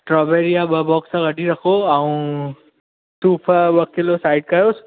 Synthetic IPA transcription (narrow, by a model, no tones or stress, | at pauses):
ʈɾɔːbeːɾijaɓɐbɔːksãɡɐɖʱiɾɐkʰoɐũ | t̪uːpʰəɓɐkɪlosaːɪɖ̚kɐjoːs